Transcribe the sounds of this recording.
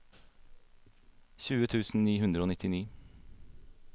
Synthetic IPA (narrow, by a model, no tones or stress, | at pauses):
çʉːət̪ʰʉːsn̩niːɦʉnd̪ɾəoːnɪt̪ɪniː